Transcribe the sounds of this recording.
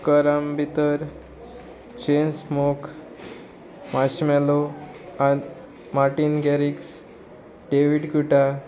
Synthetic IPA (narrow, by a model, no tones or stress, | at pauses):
kəɾambit̪əɾ | t͡ɕensmok | maɕmɛlo | a | maɾʈinɡɛɾiks | ɖeʋiɖkuʈa